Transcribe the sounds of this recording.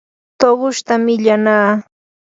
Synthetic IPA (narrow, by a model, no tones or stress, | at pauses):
t̪oɢʊʃt̪amɪʎanaː